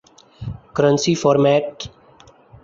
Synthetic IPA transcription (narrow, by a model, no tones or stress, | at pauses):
kəɾə̃nsifɔːɾmɛʈ